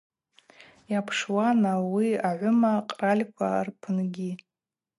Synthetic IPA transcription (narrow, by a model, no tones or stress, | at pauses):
japʰʂwanawiaʕʷʊmaqʼralʲkʷʰa̰rpʰɨnɡʲi